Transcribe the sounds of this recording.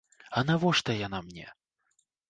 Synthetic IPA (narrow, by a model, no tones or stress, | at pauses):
ɐnavɔʂt̪ɐjan̪amnʲɛ̰